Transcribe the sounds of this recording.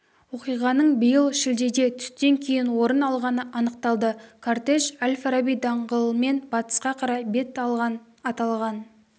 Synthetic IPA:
wo̞qijʁɑnəɴbəjəlˠʃɪld̪e̞d̪e̞t̪ʰʏ̥st̪e̞ŋkʲʰe̞jɪnwo̞ɾənɑlˠʁɑnəʔɑnəq̚t̪ɑlˠd̪əkʰart̪eʃalʲfaɾabijd̪ɑɴʁəlˠəme̞nbɑt̪ə̥sqɑqʰɑɾɑbe̞t̪ | ɑt̪ɑlˠʁɑn

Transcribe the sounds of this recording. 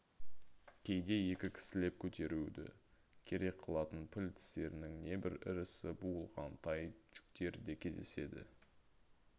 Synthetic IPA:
kʲʰe̞jd̪e̞je̞kʲɪkʲʰɪ̥sɪle̞p̚kʲʰɵt̪ʰe̞ɾud̪ɪ̰ | kʲʰe̞ɾe̞k̚qʰəlˠɑt̪ənpʰɪlʲt̪ʰɪ̥st̪e̞ɾɪnɪŋne̞bɪɾɪ̰ɾɪsɪbuəlˠʁɑnt̪ʰɑjʒ̥ʏ̥k̚t̪e̞ɾd̪e̞kʲʰe̞zd̪e̞se̞̰d̪ɪ̰

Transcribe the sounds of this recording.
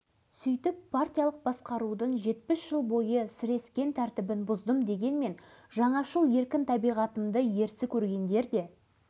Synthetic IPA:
sʏjt̪ɪpːart̪ʲijɑlˠəq̚bɑsqɑɾud̪əɴʒe̞t̪̚pɪsʒ̥əlˠbo̞jəsɪɾe̞skʲe̞nt̪ʰæɾt̪ɪbɪnbʊzd̪əmd̪e̞ɡʲe̞nme̞nʒɑɴɑʃəlˠje̞ɾkʲɪnt̪ʰɑbijʁɑt̪əmd̪əje̞ɾsɪkʲʰɵɾɡʲe̞nd̪e̞ɾd̪e̞

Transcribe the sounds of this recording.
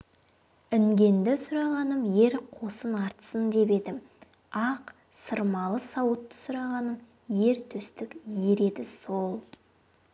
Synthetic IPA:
ɪŋɡʲe̞nd̪ɪsʊɾɑʁɑnəmje̞ɾqʰo̞sənɑɾt̪ə̥sənd̪e̞pe̞d̪ɪm | ɑq | səɾmɑlˠəsɑwət̪ːə̥sʊɾɑʁɑnəm | je̞ɾt̪ʰɵst̪ɪkʲje̞ɾe̞d̪ɪso̞lˠ

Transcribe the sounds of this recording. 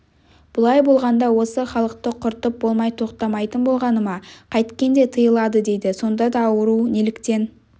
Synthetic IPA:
b̥ʊlˠɑjbo̞lˠʁɑnd̪ɑwo̞səχɑlˠəq̚t̪əqʰʊɾt̪əp̚bo̞lˠmɑjt̪ʰo̞qt̪ɑmɑjt̪ənbo̞lˠʁɑnəmɑqʰɑjt̪kʲe̞nd̪e̞t̪ʰəjəlˠɑd̪əd̪e̞jd̪ɪso̞nd̪ɑd̪ɑːwəɾunelɪkt̪e̞n

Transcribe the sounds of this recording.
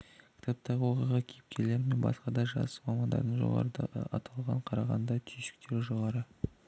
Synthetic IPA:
kʲʰɪ̥t̪ʰɑp̚t̪ɑʁəwo̞qijʁɑkʲʰejɪp̚kʲʰe̞le̞ɾɪmenbɑ̰sqɑd̪ɑʒɑ̰sə̥mɑmɑnd̪ɑ̰ɾd̪əɴʒo̰ʁɑ̰ɾəd̪ɑ̰ɑ̰ʔɑt̪ʰɑlˠʁɑɴqʰɑɾɑʁɑ̰nd̪ɑt̪ʰyjʃɪ̥k̚t̪e̞ɾʒo̞ʁɑɾə

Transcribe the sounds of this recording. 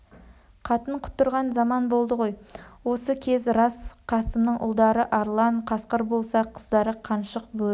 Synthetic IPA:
qʰɑt̪əɴqʰʊ̥t̪ːʊɾʁɑnzɑmɑnbo̞lˠd̪əʁo̞jwo̞səkʲʰe̞zɾɑsqʰɑsəmnəɴʔʊ̰lˠd̪ɑɾəʔɑɾlˠɑɴqʰɑsqəɾbo̞lˠsɑqʰəzd̪ɑɾəqʰɑnʃəq̚bɵ

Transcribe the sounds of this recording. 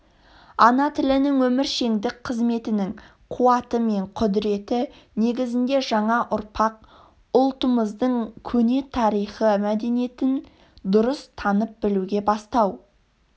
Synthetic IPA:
ɑnɑt̪ʰɪlɪnɪŋwɵmɪɾʃe̞ŋd̪ɪk̚qʰəzme̞t̪ɪnɪŋ | qʰuɑt̪əme̞ɴqʰʊd̪ɪɾe̞t̪ɪ | ne̞ɡʲɪzɪnd̪e̞ʒɑɴɑʔʊɾpʰɑq̚ | ʊlˠt̪əməzd̪əɴkʲʰɵne̞t̪ʰɑɾijχəmæd̪e̞nije̞t̪ɪn | d̪ʊɾəst̪ʰɑnəp̚bɪluɡʲe̞bɑst̪ɑw

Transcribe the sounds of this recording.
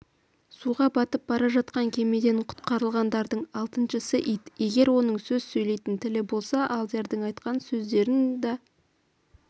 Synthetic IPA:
suʁɑbɑt̪əp̚bɑɾɑʒɑt̪̚qɑŋkʲʰe̞me̞d̪eɴqʰʊ̥t̪qɑɾəlˠʁɑnd̪ɑɾd̪əɴɑlˠt̪ənʃəsəʔijd̪e̞ɡʲe̞ɾwo̞nəɴsɵzsɵjle̞jt̪ɪnt̪ʰɪlɪbo̞lˠsɑʔɑlˠd̪e̞ɾd̪ɪɴɑjt̪qɑnsɵzd̪e̞ɾɪnd̪ɑ

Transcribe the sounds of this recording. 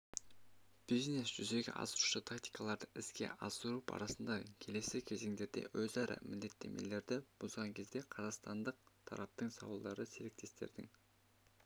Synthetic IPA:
b̥izne̞sʒ̥ʏze̞ɡʲɪ̰ʔɑ̰səɾuʃət̪ʰakt̪i̥jkɑlˠɑɾd̪əɪskʲe̞̰ʔɑsəɾupɑ̰ɾɑsənd̪ɑkʲʰele̞sɪkʲʰe̞ze̞ŋd̪e̞ɾd̪e̞̰wɵzɑɾʔɑ̰mʔɪnd̪e̞t̪ʰːe̞̰mʔe̞̰le̞ɾd̪ɪb̥ozʁɑŋkʲʰe̞zd̪e̞qʰɑzɑqst̪ɑnd̪əq̚t̪ʰɑ̰ɾɑp̚t̪əɴsɑ̰wlˠd̪ɑɾəse̞ɾek̚t̪e̞st̪e̞̰ɾd̪ɪŋ

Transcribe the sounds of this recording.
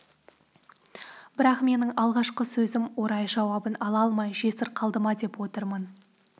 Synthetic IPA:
bɪɾɑqme̞nɪŋɑlˠʁɑʃqəsɵzɪmwo̞ɾɑjʒɑwɑbənɑlˠɑlˠmɑjʒe̞sɪɾqʰɑlˠd̪əmɑd̪e̞pwo̞t̪əɾmən

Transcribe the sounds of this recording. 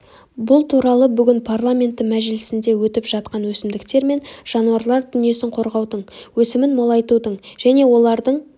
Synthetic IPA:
bʊlˠt̪ʰuɾɑlˠəbʏɡʲɪnpʰarlˠamʲe̞nt̪ːəmæʒɪlɪsɪnd̪e̞wɵt̪ɪpʒ̥ɑt̪qɑnwɵsɪmd̪ɪkt̪e̞ɾme̞nʒ̥ɑnuɑɾlˠɑɾd̪ʏnije̞sɪɴqʰo̞ɾʁɑwd̪əɴwɵsɪmɪnmolˠɑjt̪ud̪əɴʒ̥æne̞wo̞lˠɑɾd̪əɴ

